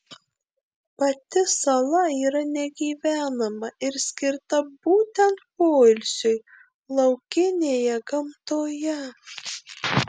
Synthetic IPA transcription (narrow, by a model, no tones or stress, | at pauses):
pɐt̪ʲɪsɐlˠɐiːɾɐnʲɛɡʲiːʋʲæːnɐmɐɪɾsʲkʲɪɾt̪ɐbuːt̪ʲɛnt̪poːlʲsʲʊj | lˠɐʊkʲɪnʲeːjɛɡɐmt̪oːjɛ